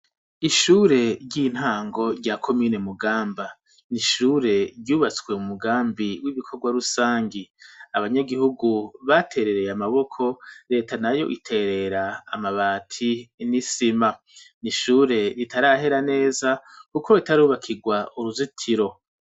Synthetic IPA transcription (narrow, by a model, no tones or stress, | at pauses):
iʃuːɾe̞ɾɟin̥haːŋɡo̞ɾɟakʰo̞miːne̞muɡaːmba | niʃuːɾe̞ɾɟuːβat͡skwe̞umuɡaːmbiwiβikʰo̞ɡwaɾusaːŋɡiaβaɲaɡihuɡuβatʰe̞ːɾe̞ɾe̞jamaβo̞kʰo̞ɾe̞ːtanajo̞̰ʔitʰe̞ɾe̞ɾaːmaβaːtʰinisima | niʃuːɾe̞ɾitʰaɾaɦe̞ɾane̞ːzakuko̞ɾetaɾuːβakʰiɡwauɾuzitʰiɾo̞